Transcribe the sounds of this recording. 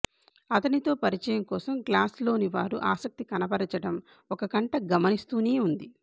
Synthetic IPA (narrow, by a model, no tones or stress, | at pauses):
ɐt̪ɐnit̪o̞ːpɐɾit͡ʃɐjɐŋkɔːsɐmklaːslo̞ːniʋaːɾuʔaːsɐk̚t̪ikɐnɐpɐɾɐt͡ʃɐɽɐm | ɔkɐkɐɳʈɐɡɐmɐnist̪uːniːund̪i